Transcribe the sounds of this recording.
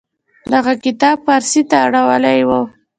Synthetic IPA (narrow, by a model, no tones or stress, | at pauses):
d̪aɣakɪt̪ɑb̚paɾsit̪aːɽawəlajwo